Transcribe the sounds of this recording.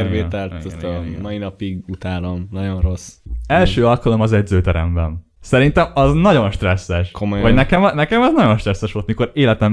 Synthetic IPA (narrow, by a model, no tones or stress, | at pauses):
rveːt̪ɛlt̪ɛst̪mɒjinɒpiɡut̪aːlomnɒɟo̞nro̞sɛlʃøːɒlkɒlo̞mɒzɛɟzøːt̪ɛɾɛmbɛn | sɛɾint̪ɛmɒznɒɟo̞nʃt̪rɛsːɛʃkomojʋɒɟnɛkɛmnɛkɛmɒznɒɟo̞nʃt̪rɛsːɛʃʋo̞lt̪miko̞ɾeːlɛt̪ɛm